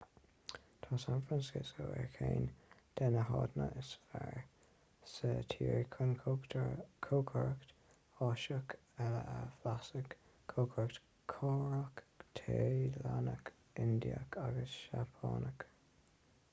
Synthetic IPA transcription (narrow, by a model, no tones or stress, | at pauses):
t̪ʰɑːsanfɾansɪskəɛɹkʰeːnd̪̥ɛnəɦɑd̪nəʔɪsfɛɹ | sət̪ʰiːɹikʰʊnkʰtʰkʰoːkʰəɹəkt̪ | ɑʃək | ɛləʔəflasək | kʰːoːkʰəɹəkt̪ | kʰɑːɹəkt̪ʰelanək | ɪnd̪iə̰kʰaɡəsʃapʰɑːnək